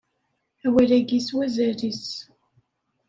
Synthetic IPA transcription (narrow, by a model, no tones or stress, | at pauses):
æwælæɡiswæzæɾis